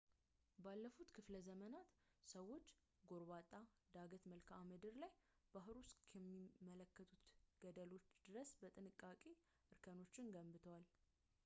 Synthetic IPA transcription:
balːəfut̪kʰɨfləzəmənat̪səwːo̞t͡ʃː | ɡo̞ɾbat̪ʼːa | d̪aɡət̪məlkʰamɨd̪ɨɾlaj | b̥aɦɨɾuskʰjɛmːimːələkːət̪ʼut̪ɡ̥əd̪əlo̞t͡ʃːd̪ɨɾəsbət̪ʼɨnɨkʼːakʼe | ʔɨɾkʰəno̞t͡ʃːɪnɡəmbɨt̪ʰəwal

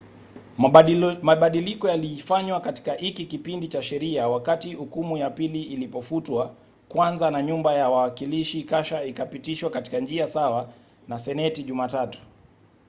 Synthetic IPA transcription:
maɓaɗilikɔjaliːfaɲwakati̥kahikikipindit͡ʃaʃɛɾiawakatihukumujapiliːlipɔfutwa | kwanzanaɲumbajawawakiliʃikaʃaikapitiʃwakati̥kand͡ʒiasawa | nasɛnɛtiʄumaːtatu̥

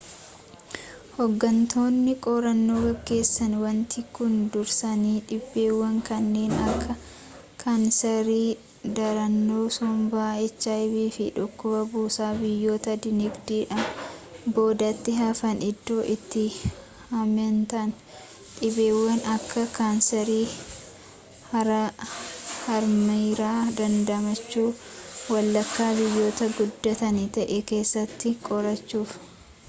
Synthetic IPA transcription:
hɔɡːɐnt̪oːnːɪkʼɔɾɐnːo̞ːɡɐɡːe̞ːsːɐnwɐnt̪ɪkʊnd̪ʊɾsɐniːᶑɪbːe̞ːwːɐŋkɐnːe̞ːnɐkːɐ | kʰɐnsɐɾiː | d̪ɐɾɐnːoːsɔmbaːɛt͡ʃːaːbiːfɪᶑʊkːʊbɐbuːsaːbɪjːo̞ːt̪ɐd̪ɪnɪɡd̪iːᶑɐmbo̞ːd̪ɐt̪ːɪɦɐfɐnɪd̪ːoːʔɪt̪ːɪ | hɐmɛnt̪ɐn | ᶑɪbeːwːɐnɐkʰːɐkaːnsɛɾiː | hɐɾɐ | hɐɾmiɾaːd̪ɐnd̪ɐmɐt͡ʃːuːwɐlːɐkːaːbɪjːo̞ːt̪ɐɡʊd̪ːɐt̪ɐnɪt̪ɐʔɛke̞ːsːɐt̪ːɪkʼɔɾɐt͡ʃːuːf

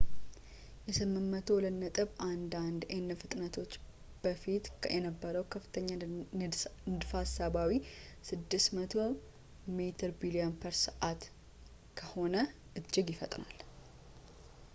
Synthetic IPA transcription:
jɛsɨmːɨmːət̪ʰo̞lənːət̪ʼɨβʔand̪and̪enːəfɨt̪ʼnət̪ʰo̞t͡ʃː | b̥əfit̪jɛnəbːəɾəwkʰəfːɨ̥t̪ʰəɲːa | nɨd̪fasaβawisɨd̪ːɨsmət̪ʰo | mit̪ʰəɾbilionpʰəɾsɨʔat̪ | kʰəho̞nə | ʔɨd͡ʒːɪɡjɪfət̪ʼnal

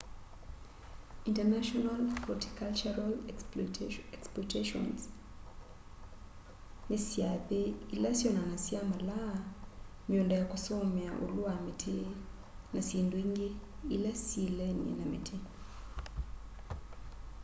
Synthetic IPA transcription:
intɛnaʃɔnalpɔti̥kalt͡ʃaɾal | ɛksplɔteʃɔ̰ns | nɪsjaðeilasjɔnanasjamala | miondɛjakɔsɔmjaʔṵluamitʰɪ | nasindwiŋɡeːlɛsilɛnḭnamḭtʰi

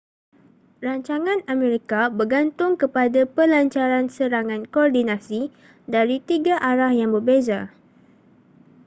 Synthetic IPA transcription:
raɲt͡ʃaŋãnamẽɾikabərɡant̪ʊŋkəpadapəlaɲt͡ʃaɾansəɾaŋãnkɔrdinãsi | daɾit̪iɡaʔaɾahjaŋbərbeza

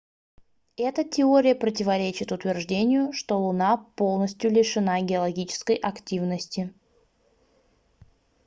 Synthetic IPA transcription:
ɛt̪ətʲɪoɾʲɪjəpɾətʲɪvɐɾʲet͡ɕɪt̪ʊt̪vʲɪrʐdʲenʲɪjʊʂt̪o̞lˠʊnapo̞lˠnəsʲtʲjʊlʲɪʂɨnaɡʲɪɐlˠɐɡʲit͡ɕɪ̥skəjʔɐktʲivnəsʲtʲɪ

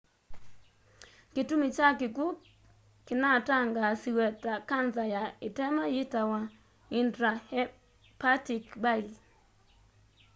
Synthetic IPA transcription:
kitumit͡ʃakɪɡuk | kɪnataŋɡasiwɛtakanzajaɪtɛmajitawa | indɾahɛ | patikbail

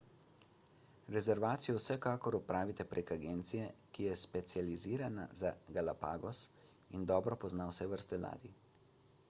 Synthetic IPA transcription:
ɾɛzɛɾʋaːt̪sijɔwsɛkaːkɔɾupɾaːʋit̪ɛpɾʔekaɡeːnt̪sijɛkijɛspɛt̪sjaliziːɾana̰zaɡalapa̰ːɡɔs | ind̪ɔːbɾɔpɔznawsɛʋəɾst̪ɛla̰ːd̪i

